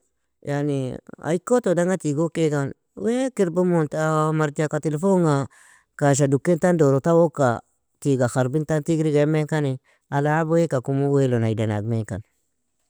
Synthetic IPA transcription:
jania̰ikːotodaŋatiɡokekan | wekiɾbamontamaɾtakatelefoŋa | kaʃ̬adukːentandoɾotawoka | tiɡaxaɾbintantiɡɾiɡemekani | alabwekakumuwelonaidana̰ɡ̚meka̰n

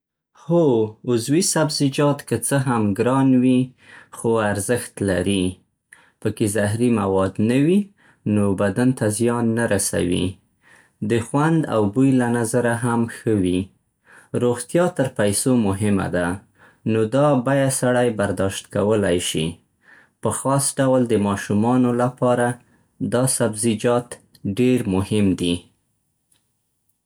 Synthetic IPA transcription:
xoʊzwisabzɪd͡ʒɑt̪kət͡səɦamɡɾɑnwixoaɾzəxt̪laɾi | pəkezaɦɾimawɑd̪nawi | nobad̪ant̪azjɑnːaɾasa̰wḭ | d̪əxwand̪a̰wbujlanazaɾaɦamxəwi | ɾoɣt̪jɑt̪əɾpajsomʊɦɪma̰d̪a | nod̪ɑbajasaɽajbaɾd̪ɑʃt̪kawəlajʃḭ | pəxɑsɖawld̪əmɑʃumɑnolapɑɾa | d̪ɑsabzid͡ʒɑt̪ | ɖeɾmʊhɪmd̪i

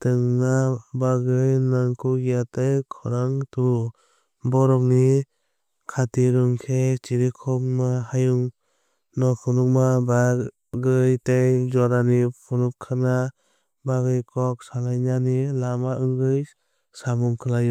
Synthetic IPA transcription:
tɯŋnabaɡɯjnaŋkʰuɡijatejkʰɔɾaŋtu | bɔɾɔk̚ni | kʰatiɾɯŋkʰet͡ʃiɾikʰɔkmahajuŋ | nɔkʰɔnuk̚maba | ɡɯjtejd͡ʒɔɾanipʰunup̚kʰana | baɡɯjkʰɔk̚salajnanilamaʔɯŋɡɯj | samuŋkʰɯlaju

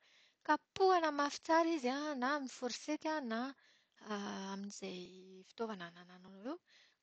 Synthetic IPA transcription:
kapuanəmafi̥t͡saɾizanamifoɾiset̪ʲana | aminiz̥ejfi̥t̪ovananananonwew

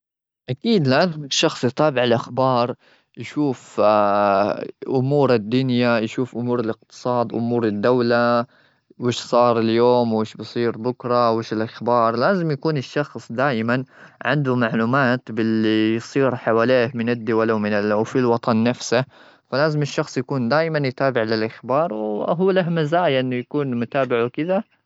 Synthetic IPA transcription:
ʔakiːd̪laːzɪmɪʃːɑxsˤt̪ˤɑːbɪʕɪlʔaxbɑːɾˤ | jʃuːf | ʔʊmuːɾɪd̪ːʊnjajʃuːfʔʊmuːɾɪlɪq̚t̪ɨ̥sˤɑːd̪ʔʊ̰muːɾɪd̪ːawla | wɪːʃsˤɑːɾˤɪljoːmwɪːʃbɨsˤiːɾbʊkɾˤɑwɪːʃɪlʔaxbɑːɾˤlaːzɪmjakuːnɪʃːɑxsˤd̪aːjmanʕɪnd̪ʊmaʕluːmaːt̪bɪlːijsˤiːɾħawaːleːhmɪnɪd̪ːʊwalawmɪnɪlwfilwɑt̪ˤɑnːafsa | falaːzɪmɪʃːɑxsˤjakuːnd̪aːjmanjt̪aːbɪʕlɪlʔaxbɑːɾˤwɦuːlaɦmazaːjʔɪnːʊjakuːnmʊt̪aːbɪʕukɪða

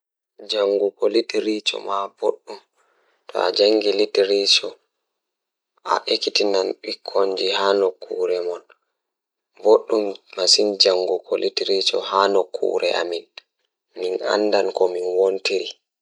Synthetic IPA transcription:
d͡ʒaŋɡukolitiɾit͡ʃɔ̰maboɗːum | tʰɔ̰a̰d͡ʒaŋɡilitiɾit͡ʃɔ | ʔa̰ʔekitinanɓikʰːoɲd͡ʒihanɔkʰːuːɾɛmɔn | boɗːummasind͡ʒaŋɡukʰɔlʔitiɾit͡ʃɔ̰hanɔkʰːṵːɾɛʔa̰min | mina̰ndankɔminwontiɾi

